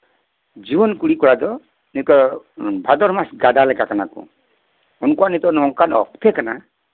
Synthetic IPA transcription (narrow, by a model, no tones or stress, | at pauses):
d͡ʒibɔnkuɽikɔɹad̪ɔ | nitɔ | bʱad̪ɔɾmasɡadalɛkakanakɔ̰ | ɔnkuanit̪ɔnɔɔŋkanɔ̰k̚t̪ʰɛkana